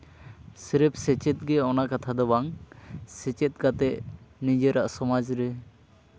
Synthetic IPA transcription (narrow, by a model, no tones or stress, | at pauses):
sɛɾɛp̚sɛt͡ʃɛt̪̚ɡɛɔnaʔkat̪ʰad̪ɔbaŋsɛt͡ʃɛt̪̚ˀɡat̪ɛʔnid͡ʒɛɾaʔsɔmad͡ʒɾɛ